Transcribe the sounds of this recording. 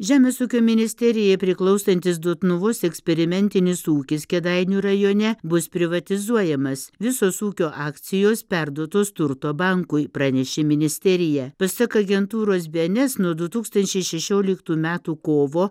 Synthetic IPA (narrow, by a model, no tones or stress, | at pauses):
ʒʲæːmʲeːsuːkʲoːmʲɪnʲɪsʲt̪ʲɛɾʲɪjɛpʲɾʲɪklˠɐʊst̪ɐnʲt̪ʲɪs̬d̪oɔt̪nʊʋoːsɛksʲpʲɛɾʲɪmʲɛnʲt̪ʲɪnʲɪsuːkʲɪskʲɛd̪ɐɪnʲuɾɐjoːnʲɛbʊspʲɾʲɪʋɐt̪ʲɪzuɔjɛmɐsʋʲɪsoːsuːkʲoːʔɑːkt̪sʲɪjoːspʲæɾd̪uɔt̪oːst̪ʊɾt̪oːbɐŋkʊɪpɾɑːnʲɛʃʲɪmʲɪnʲɪsʲt̪ʲɛɾʲɪjɛpɐsɐkɐɐɡʲɛnt̪uːɾoːs̬bʲɛnʲɛsnuɔd̪ʊt̪uːkst̪ɐnʲt͡ʃʲɛɪʃʲɛʃʲoːlʲɪkt̪uːmʲæːt̪uːkoːʋoː